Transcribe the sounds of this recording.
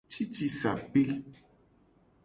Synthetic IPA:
t͡ʃi˦t͡ʃi˧sa̰˨pe˦

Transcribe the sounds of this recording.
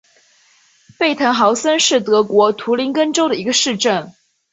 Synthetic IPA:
pe˥˩ɪt̪ʰə˧˥nŋxɑ˧˥ʊsə˥nʂɻ̩˥˩t̪ɤ˧˥kwɔ˧˥t̪ʰu˧˥li˧˥nkə˥nʈ͡ʂo˥ʊɾə˨i˧˥ɡə˧ʂɻ̩˥˧ʈ͡ʂə˥˩n

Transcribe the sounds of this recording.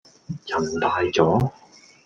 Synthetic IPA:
jɐ˨˩mt̪aː˨˧jt͡sɔː˨˥

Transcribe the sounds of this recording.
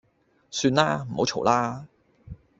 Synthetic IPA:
syː˧nlaː˥m̩˨˩ho˨˧˥wt͡ʃʰo˨˩wlaː˥

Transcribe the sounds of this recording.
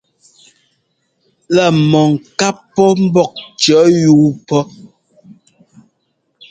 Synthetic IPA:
la˦˨mɔ˨ŋ˨ka˦ppːɔ˦m̩˦bɔ˦˨k̚t͡ʃɔ˨˦juː˦pɔ˦

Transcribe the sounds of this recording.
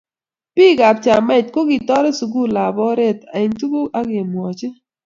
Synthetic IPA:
pi˦ɡa˨p̚t͡ʃa˨mɛ˦˨t̚ko˦ɡi˨t̪ɔ˦ɾe˦su˨ɡu˦la˨bɔ˦ɾe˦t̪a˨ɪ˨ɲtu˦ɡu˦a˦ɡɪ˨mwɔ˨t͡ʃɪ˦

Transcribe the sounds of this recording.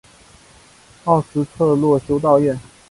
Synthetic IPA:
ɑ˥˩ʊʂɻ̩˧˥t͡s̪ʰɤ˥˧lwɔ˥˩ɕjo˧˥ʊt̪̬ɑ˥˧ʊjɥɛ˥˩n

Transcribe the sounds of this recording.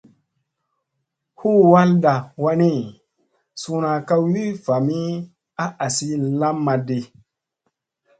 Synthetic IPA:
hu˦wa˦lda˨wa˦ni˦ | su˧na˨ka˦wi˦fa˨mi˦ | a˦ʔa˨si˦la˦mːa˧de˨

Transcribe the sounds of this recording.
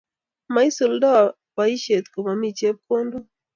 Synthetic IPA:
ma˨˦i˦su˨lda˦˨ | wa˨˦i˦ʃe˨t̪ko˨ma˨mi˦t͡ʃe˦p̚ko˦ndo˦

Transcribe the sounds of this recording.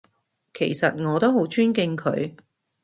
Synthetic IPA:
kʰe˨˩jsɐ˨t̚ŋɔː˨˧t̪o˥who˨˥wt͡ʃʰyː˥nkɪ˧ŋkʰɵ̰˨˧ɥ

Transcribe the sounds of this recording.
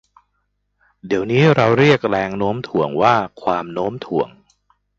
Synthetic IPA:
di˩˦əwniː˦˥ɾa˧wɾi˥˩ək̚ɾɛː˧ŋnoː˦˥mt̪ʰu˨˩˦əŋwaː˥˩kʰwaː˧mnoː˦˥mt̪ʰu˨˩˦əŋ

